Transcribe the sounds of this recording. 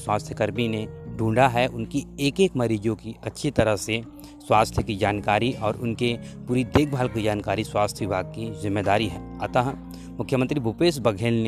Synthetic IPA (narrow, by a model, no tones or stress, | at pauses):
swaːst̪ʰjəkəɾmineɖʱũːɳɖaɦɛʔʊnkieːkeːkmɐɾiːd͡ʒõkiɐtːʃʰit̪ɐɾəɦse | swaːst̪ʰjəkid͡ʒaːnkaːɾiʔɔːɾʊnkepuːɾid̪eːkʰbʱaːlkid͡ʒaːnkaːɾiswaːst̪ʰjəʋɪbʱaːɡ̚kizɪmːeːd̪aːɾiɦɛ̃ːɐt̪aɦ | mʊkʰjəmə̃nt̪ɾibʱupeːsbɐɡʱeːln